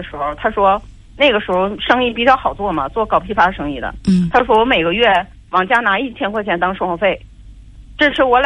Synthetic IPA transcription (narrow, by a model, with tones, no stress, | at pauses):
ə˩ʂɻ̩˧˥xo˧ʊt̪ʰa˥ʂwɔ˥ | na˥˩ɡə˩ʂɻ̩˧˥xo˧ʊʂɤ˥ŋi˥˩pi˨˩t͡ɕjɑ˥˩ʊxɑ˨˩ʊt͡swɔ˥˩mɐ̰˩t͡swɔ˥˩kɑ˨˩ʊpʰi˥˩fa˧˥d̪ə˨˩ʂɤ˥ŋi˥˩d̪ə̰˩t̪ʰa˥ʂ̬wɔ˥wɔ˧˥me˨˩ɪɡə˦ɥɛ˥˩ | wɑ˨˩ŋt͡ɕja˥na˧˥i˥˩t̪ʰjɛ˥nkʰwɔ˥˧t͡ɕʰjɛ˥˩nt̪ɑ˥ŋʂo˥˧xɑ˧˥ʊfe˥˩ɪ | ʈ͡ʂɤ˥˧ʂɻ̩˥wɔ˧˥l